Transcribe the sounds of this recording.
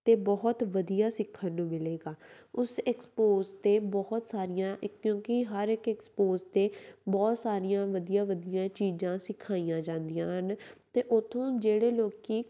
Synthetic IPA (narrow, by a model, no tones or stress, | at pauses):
t̪eːbɔɦt̪ʋəd̪ijaːsɪkʰːənːũːmɪleːɡaːʊsɛkspoːzt̪eːbɔːt̪saːɾɪjãːʔɪkːjõːkɪɦəɾɪkɛkspoːzt̪eːbɔːt̪saːɾijãːʋəd̪ijãːʋəd̪ijãːt͡ʃiːzãːsɪkʰːaːijãːd͡ʒãːnd̪ijãːɦənt̪eːʔʊt̪ʰõːd͡ʒeːɽeːloːkiː